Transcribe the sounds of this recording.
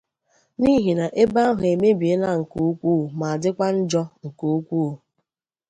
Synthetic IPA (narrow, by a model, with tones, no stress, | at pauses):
ni˦ɦi˨na˨ʔe˦ba˦ɦʊ˨e˨me˦bi˨e˦na˦ŋ̩˨ku˦u˦kʷu˦˨ma˨a˨dɪ˦kʷa˦n̩˦d͡ʒɔ˦ŋ̩˨ku˦u˦kʷu˦˨